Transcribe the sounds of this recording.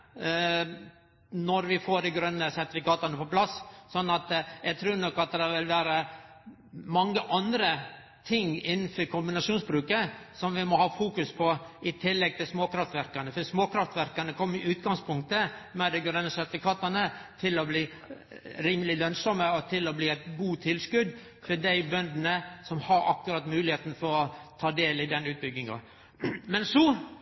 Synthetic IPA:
nɔɾʋɪfoːɖɪɡɾœnːəsæɾt̪ɪfɪkɑːt̪ɑnəpʰɔpʰlɑssɔnːɑt̪jɛɡt̪ʰɾʉːɾnɔkːɑt̪̚d̪ɛɑɾʋɪlʋæːɾə | mɑŋːəʔɑnd̪ɾə | t̪ʰɪŋɪnfɔɾkʰʊmbɪnɑʂuːnsbɾʉːkəsɔmʋɪmɔhɑːfuːkʉspʰɔʔɪt̪ʰɪlːɛɡ̚t̪ɪlsmoːkʰɾɑft̪ʋæɾkɑnəfɔsmoːkʰɾɑft̪ʋæɾkɑnəkʰɔmːəɾɪʔʉːt̪ɡɑŋspʰʊŋk̚t̪əmɛd̪ɛɡɾɛnəsɛt̪əkʰɑt̪ɑnət̪ʰɪlɔbliː | ɾiːməlɪlœnsɔməɔt̪ʰɪlɔbliːæɪt̪ɡuːt̪ʰɪlskʉd̪ | fɔɖæɪbœnd̪nəsɔmhɑɾʔɑ̰kːʉɾɑt̪mʉːlɪheːt̪n̩fɔɾɔt̪ʰɑːd̪eːlɪd̪ɛnʉːt̪̚bʏɡɪŋɑ̰ | mɛnsɔ

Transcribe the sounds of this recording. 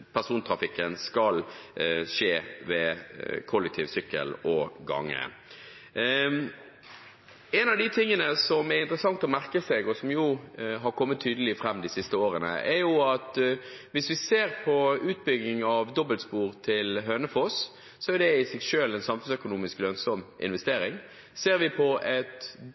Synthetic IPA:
pʰæɾsuːnt̪ʰɾɑfɪkːənskɑl | ʂeːʋɛkʰɔlːɛk̚t̪ʰɪːʋsʏkːə̰lɔɡɑ̰ŋːə̰ | ɛnɑʋd̪ɪt̪ʰɪŋːənəsɔmɛɾɪnt̪ɾəsɑŋt̪ɔmæɾkəsɛɡɔsɔmjuɦɑɾkʰɔmːət̪ʰːyːd̪əlɪfɾɛmːd̪ɪsɪst̪əoːɾənə̰ʔɛɾjʊɑt̪ʋɪsʋɪseːʁpʰɔʉːt̪̚bʏɡnɪŋɑʋd̪ɔbəlspuːɾt̪ʰɪlɦøːnəfos | sɔæɾd̪ɛɪsɛɡʃøːlɛnsɑmfʉnsœkʊnuːmɪsklœnsɔmʔɪ̰nʋɛst̪eːɾɪŋ | seːɾʋɪpʰɔʔɛt̪

